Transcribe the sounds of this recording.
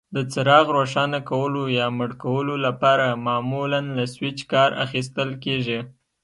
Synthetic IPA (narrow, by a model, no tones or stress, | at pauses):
d̪ət͡səɾɑɣɾoʃɑnakawəlojɑməɽkawəlolapɑɾamɑmulanlaswɪt͡ʃkɑɾa̰xis̬t̪əlkeʒi